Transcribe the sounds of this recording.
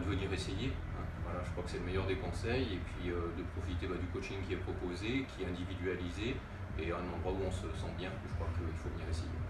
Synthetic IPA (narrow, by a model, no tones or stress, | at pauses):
d̪əvød̪niʁeseje | ɛ̃vwalaʒəkχwakə̥sɛləmɛjœʁd̪ekɔ̃sɛjepɥiød̪əpχɔfit̪ebad̪ykot͡ʃiŋkʲiɛpχɔpozekʲʰiɛɛ̃d̪ivid̪ɥalize | eɛ̃nɑ̃d̪ʁwauɔ̃səsɑ̃bjɛ̃kəʒəkχwakəilfovəniʁesejḛ